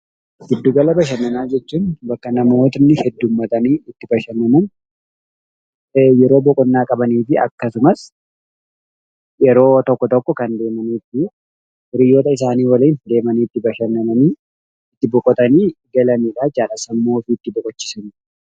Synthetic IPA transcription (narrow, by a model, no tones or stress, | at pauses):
ɡ̥ɪd̪ːuːɡɐlɐbɐʃ̬ɐnːɐnaːd͡ʒɛt͡ʃːuːnbɐkːɐnɐmoːt̪nːɪhɛd̪ːuːmːɐt̪ɐniːɪt̪ːɪbɐʃɐnːɐmɐn | jɛɾo̞ːbɔkʼɔnːaːkʼɐbɐniːfɪɐ̰kːɐsʊmɐs | jɛɾo̞ːt̪ɔkːɔt̪ɔkːɔkɐnd̪e̞ːmɐniːt̪ːɪ | ɾɪjoːt̪ɐɪs̬aːniːwɐliːnd̪e̞ːmɐniːt̪ːɪbɐʃɐnːɐmɐniː | ɪt̪ːɪbɔkʼɔt̪ɐniːɡɐlɐniːᶑaːd͡ʒaːlɐsɐmːo̞ːfɪːt̪ːɪbɔkʼɔt͡ʃːɪ̥sɐni